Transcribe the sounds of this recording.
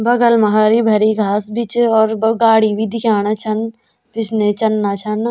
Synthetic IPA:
bɐɡəlmɐɦaːɾibʱɐɾiɡʱaːsbʱit͡ʃɔːɾbɡaːɽibʱid̪ɪkʰaːnat͡ʃʰɐn | bɪsnet͡ʃɐnːaːt͡ʃʰɐn

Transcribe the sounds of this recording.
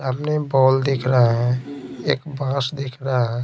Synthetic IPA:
əpnebɔːld̪ɪkʰɾaɦɛḛːkbãːsd̪ɪkʰɾaɦɛː

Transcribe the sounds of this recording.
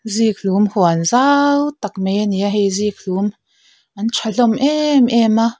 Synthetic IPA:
ziːk̚lumhuanzawt̪ɐk̚meniaɦejzik̚lum | ʔɐnt͡ʃʰaɬɔmʔɛmʔɛma

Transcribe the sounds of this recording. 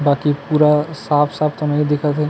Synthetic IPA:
baːkipuːɾasaːpʰsaːb̚t̪omẽid̪ɪkʰat̪ɦɛ

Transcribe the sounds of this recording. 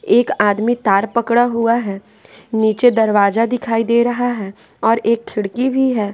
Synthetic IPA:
eːkaːd̪mit̪aːɾpəkɽaɦuaɦɛː | niːt͡ʃed̪ɐɾʋaːzad̪ɪkʰaːid̪eːɾɐɦaɦɛː | ɔːɾeːkkʰɪɽkibʱiɦɛː

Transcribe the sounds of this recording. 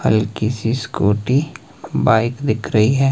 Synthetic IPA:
hɐ̰lkisiskoːʈi | baːɪkd̪ɪkʰɾɐɦiɦɛː

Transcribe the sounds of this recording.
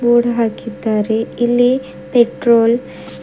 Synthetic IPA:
buːɽɐɦaːkːit̪ːaːɾeilːi | peʈroːl

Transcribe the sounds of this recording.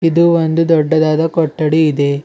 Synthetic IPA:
id̪uond̪ud̪ɔɖːɐd̪aːd̪ɐkɔʈːɐɽiːd̪e̞

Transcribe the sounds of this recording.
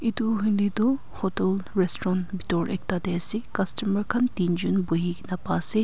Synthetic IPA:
iduɦujnidu | hɔtelɾestɔɾɔnbitɔɾʔek̚tadeɐsikɐstɐmɐɾkʰɐntind͡ʒunbuɦiɡinɐpase

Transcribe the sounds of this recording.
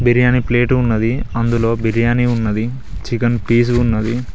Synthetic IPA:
biɾijaːnipleːʈunːɐd̪iɐnd̪ulo̞ːbiɾijaːniunːɐd̪i | t͡ʃikɐnpiːs̬unːɐd̪i

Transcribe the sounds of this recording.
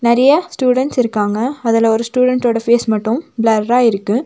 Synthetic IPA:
nɐɾɐjɐsʈjuːɽɛɳʈsɪɾɯkːaːŋɡɐːðɪlɐɔɾɯsʈuːɽɛɳʈoːɽɐfeːsmɐʈːɯ̃mblɐɾɾaːɪɾɯkːɯ̃

